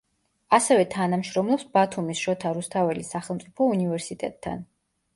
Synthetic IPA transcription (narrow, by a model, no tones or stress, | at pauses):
asɛvɛt̪ʰanamʃɾɔmlˠɔpsbat̪ʰumisʃɔt̪ʰaɾust̪ʰavɛlisaχɛlˠmpt̪sʼipʰɔunivɛɾsit̪ʼɛ̰t̪̚ʼʰːa̰n